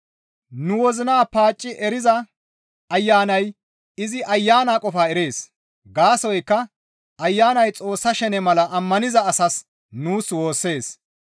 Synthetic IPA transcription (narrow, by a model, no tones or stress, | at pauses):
nʊwɔzɪnaːpaːt͡ʃʼːɪʔɛɾɪzɐ | ɐjːaːnɐj | ɪzɪʔɐjːaːnaːkʼɔfaːɛɾe̞ːs | ɡaːsɔjkːɐ | ɐjːaːnɐjt͡sʼo̞ːsːɐʃɛnɛmɐlɐʔɐmːɐnɪzɐːsɐs | nuːswo̞ːsːe̞ːs